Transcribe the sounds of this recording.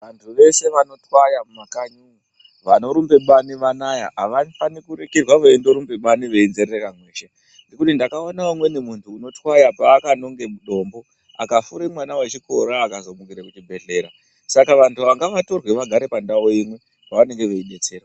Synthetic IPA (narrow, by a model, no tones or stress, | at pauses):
ʋantʰuʋe̞se̞ʋano̞twajamumakaɲu | ʋano̞ɾumbe̞ɓaniʋanajaɦaʋafanikuɾekirwaʋoindo̞ɾumbe̞ɓaniʋe̞inzerrekamweːʃe | ndikutindakaonaumwe̞nemuntʰuːno̞twajapaːkano̞ŋɡe̞muɗo̞ːmbo | a̰kafuɾemwanawat͡ʃikoɾaːkazo̞mukiɾekutibʱe̞ɮe̞ːɾa | sakaʋantuʋaŋɡaʋato̞rwe̞ʋaɡʱaɾe̞pandaoimwe̞ | paʋane̞ŋɡe̞ʋeiɗe̞t͡se̞ːrwa